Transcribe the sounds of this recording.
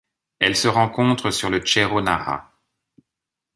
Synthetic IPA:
ɛlsəʁɑ̃kɔ̃t̪χəsyʁlət͡ʃeʁonaʁa̰

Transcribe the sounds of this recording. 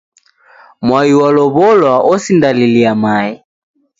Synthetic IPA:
mwaiwalɔβɔlwaʔɔsindaliliamai

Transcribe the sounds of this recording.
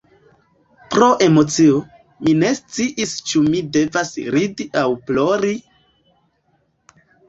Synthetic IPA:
pɾo̞ʔe̞mo̞t͡sio̞ | mine̞st͡siʔist͡ʃumide̞vasɾidiʔawploɾi

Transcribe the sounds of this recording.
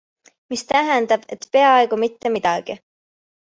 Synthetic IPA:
mist̪æɦɛnd̪ɑb̥e̞t̪pe̞ɑe̞ɡ̥umit̪ːemid̪̥ɑɡ̥i

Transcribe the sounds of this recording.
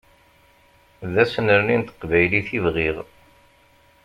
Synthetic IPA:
ðæsnəɾnint̪ə̥qvæjliθivʁiʁ

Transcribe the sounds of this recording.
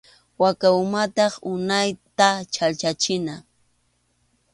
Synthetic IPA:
wakawmat̪ɑχʊnajt̪at͡ʃalt͡ʃat͡ʃɪna

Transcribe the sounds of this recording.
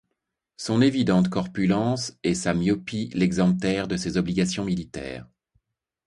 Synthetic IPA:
sɔ̃nevid̪ɑ̃t̪kɔʁpylɑ̃sɛsamjɔpilɛɡzɑ̃p̚t̪ɛʁd̪əsezɔbliɡasjɔ̃milit̪ɛ̰ːʁ

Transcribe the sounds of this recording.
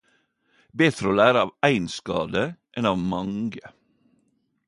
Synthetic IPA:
beːt̪ʰɾəoːlæːɾəɑːʋæɪnskɑ̰ːd̪əʔɛnɑːʋmɑŋɡə

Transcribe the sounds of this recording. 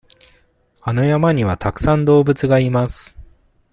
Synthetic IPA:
ano̞jamaɲ̟iβat̪akɯ̟̥sãnd̪o̞ːbɯ̟t͡sɨɡaimasɨ̥

